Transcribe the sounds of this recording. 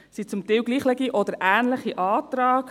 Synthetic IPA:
sit͡sʊmt̪ɛwɡliːχlɛɡiʔɔd̥̪əɾʔæːnləχiʔɑːtɾɑːk

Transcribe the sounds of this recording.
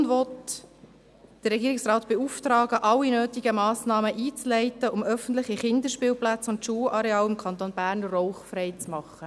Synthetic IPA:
nʋɔt | d̥ərɛɡiːɾɪksrɑːtb̥euftɾɑːɡəʔɑlːinøːtiɡəmɑːsnɑːməʔiːt͡slɛɪtəʊmœfən̩tlɪχiχɪnd̪əʃpiːlplæt͡sʊntʃuːlʔɑɾɛɑːlɪmkʰɑnt̪oːnbæːɾnrɔʊχfrɛɪt͡smɑχːə

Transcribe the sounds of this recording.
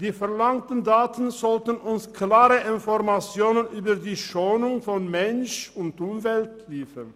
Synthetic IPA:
d̥iːfɛɐlaŋtən̩daːtn̩zɔltənʔʊnskʰlaːʁəʔɪnfɔʁmat͡sjoːnənʔyːbɐdiːʃoːnʊŋfɔnmɛnʃʊntʔʊmvɛltliːfən

